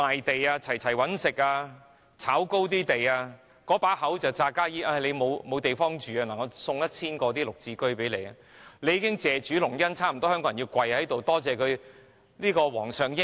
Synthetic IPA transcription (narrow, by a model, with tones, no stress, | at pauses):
maː˨jt̪e˨jaː˧t͡sʰɐ˨˩jt͡sʰɐ˨˩jwɐ˨˥nsɪ˨k̚aː˧ | t͡sʰaː˨˥wko˥wt̪̬iː˥t̪e˨jaː˧ | kɔː˨˥paː˨˥hɐ˨˥wt͡sɐ˨wt͡saː˧kaː˥jiː˥ʔaː˧˩le˨˧jmo˨˧wmo˨˧wt̪e˨jfɔː˥ŋt͡ʃyː˨a˧na˨˩ŋɔ˧sʊ˧ŋjɐ˥t̚t͡sʰiː˥nkɔː˧t̪iː˥lʊ˨˩k̚t͡siː˧kɵ˥ɥpe˨˥jle˨˧ja | le˨˧jːiː˧˥kɪ˥ŋt͡sɛː˨t͡ʃyː˨˥lʊ˨˩ŋjɐ˥nt͡sʰaː˥˩m̩˨˩t̪ɔ˥hœ˥ŋkɔː˧˥ɐ˨˩ji˧kʷɐ˨jhɐ˨˥jt̪o˨wt̪ɔː˥t͡sɛː˨˩kʰɵ˨˧ɥ | liː˥kɔː˧wɔ̰ː˨˩ŋsœː˨˩ŋjɪ˥